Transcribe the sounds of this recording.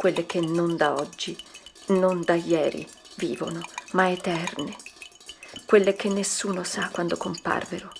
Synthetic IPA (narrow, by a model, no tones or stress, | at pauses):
kwelːek̟ʰenːond̪aɔd͡ʒːi | nond̪ajɛːɾḭ | vḭːvo̰nomaet̪ɛrne | kwelːek̟enːesːuːnosakːwand̪okompa̰rveɾo